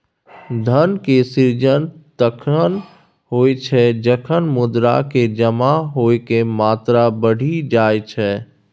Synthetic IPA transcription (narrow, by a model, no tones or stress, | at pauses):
d̪ʱənkesiɾd͡ʒənt̪əkʰən | ɦoːet͡ʃʰɛd͡ʒəkʰənmʊd̪ɾa̰ked͡ʒəmaɦoːekemaːt̪ɾabəɽ̤ʱid͡ʒaːet͡ʃʰɛ